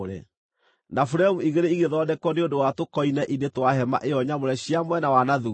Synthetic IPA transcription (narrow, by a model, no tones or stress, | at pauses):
ɾɛ̰ | nafuɾamuiɣeɾeiɣeðɔdɛkɔneondowatokɔinɛʔinetwaɦɛma̰ʔeɔɲamoɾɛɕiamwɛnawanaðu